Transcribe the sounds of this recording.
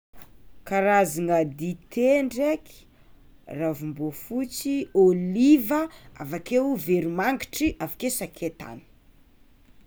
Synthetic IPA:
kaɾaziŋəd̪it̪ʰeɳɖ͡ʐeki̥ | ravumbofut͡siolivəavakewveɾimaŋɡi̥ʈ͡ʂiʔafakesakʰet̪a̰ni̥

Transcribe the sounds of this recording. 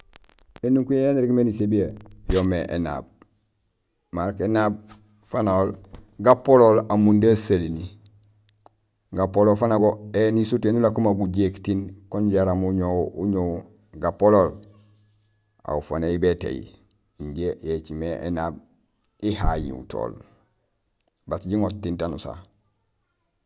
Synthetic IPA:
enuŋkujejaniɾiɡmenisebijejomeʔḛna̰b̚ | maɾkenab̚ | fanaolɡapololamundasalini | ɡapolofanaɡoenisutenulakumaɡuɟektinkoɲɟaɾamuɲowuɲo | ɡapolol | a̰ufaneibetḛjḭ | iɲɟejet͡ʃimeʔḛnab̚ | ihajḭtʰo̰ːl | batɟiŋottːintanusa̰

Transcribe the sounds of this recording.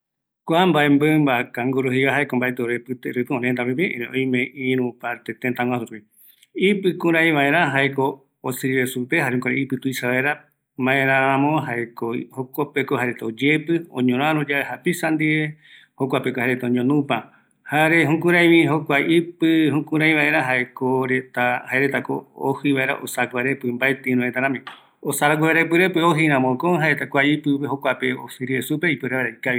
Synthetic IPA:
kʷambaembɨmbakaŋɡoɾoɦiβaɦaekombaet̪eoɾepɨt̪eɾupɨõnẽnt̪aɾip̬iḛ̃ɾeʔõ̰j̃mẽʔĩɾũpaɾt̪et̪ẽnt̪ãwʷãsuɾui | ipɨkuɾaj̃ʋaẽɾãɦaekoː | sɨɾiɾesupeɦaɾehukʷaɾeipɨt̪uisaβaeɾa | mbaẽɾ̃ããmõɦaekohokʷopekohaɾet̪od͡ʒepɨõ̰ɲõɾ̃ãɾod͡ʒaehapisand̪ie | hokʷapekohaɾet̪aõɲõnũpa | haɾeɦũkũɾãj̃mĩɦokʷaipɨhũkũɾãĩj̃βaeɾaɦaekoɾet̪ahaeɾet̪ako̰o̰hiβaʔeɾa̰ʔosaaɡʷaɾepɨmbaet̪eĩɾõet̪aɾãmĩ | osaɾaɡʷaɾepɨɾepeoɦiɾ̃ãmõkoɦaet̪akʷaipɨeɦokʷapeosɨɾiesupeipɨɾeβaɾaikaβi

